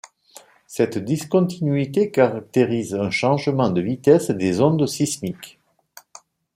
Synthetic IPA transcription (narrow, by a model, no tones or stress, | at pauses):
sɛt̪d̪iskɔ̃t̪ʰinɥit̪ekaʁak̚t̪eʁizɛ̃ʃɑ̃ʒəmɑ̃d̪əvit̪ɛsd̪ezɔ̃d̪sismik